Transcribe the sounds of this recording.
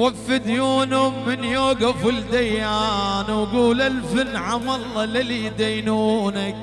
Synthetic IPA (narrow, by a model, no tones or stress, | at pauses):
wafːɪd̪juːnhʊmːɪnjoːɡafɪld̪ajːaːnwɡuːlalfɪnʕamɑlˤːɑlɪlid̪ajnuːnak̚